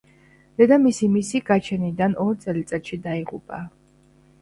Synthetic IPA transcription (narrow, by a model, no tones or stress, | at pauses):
d̪̥ɛd̪amisimisiɡat͡ʃʰɛnid̪anɔɾt̪sʼɛlit̪sʼɛt̪ʃid̪aiʁṵpʼa̰